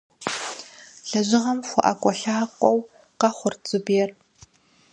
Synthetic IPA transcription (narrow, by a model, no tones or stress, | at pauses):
ɬɐʑɪʁɐmxʷɔ̰ʔɐkʷʼɔɬaːqʷʼɔw | qɐχʷʊrt͡sʼɨbjɛr